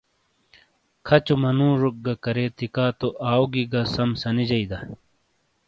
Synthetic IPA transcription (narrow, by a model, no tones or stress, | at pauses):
kʰɐt͡ɕumɐnũːɾuk̚ɡɐkɐɾeːt̪ikaːt̪oʔaːwɡiɡɐsɐmsɐnid͡ʑɐid̪ɐ